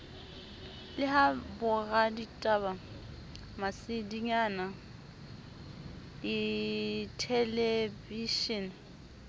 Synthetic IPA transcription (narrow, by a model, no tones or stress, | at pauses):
lɪɦabʊɣaditʼaba | masɪdiɲana | ɪ | tʰɛleviʃin